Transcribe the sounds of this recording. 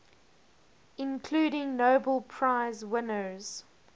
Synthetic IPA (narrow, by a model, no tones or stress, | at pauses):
ɪ̃nkʰl̥ʉːɾɪ̃ŋnoʊbəlˠpʰɹ̥aɪzwɪnəz̥